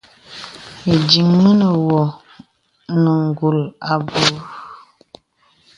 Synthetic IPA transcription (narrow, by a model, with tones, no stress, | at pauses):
i˨di˨ŋmə˦nə˨wɔ˨ | nə˨ŋ˨ɡu˨la˨bu˨˦